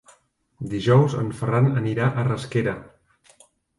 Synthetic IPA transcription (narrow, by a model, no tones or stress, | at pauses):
d̪iʒɔwzə̰ɱfəranəniɾaʔərəskeɾə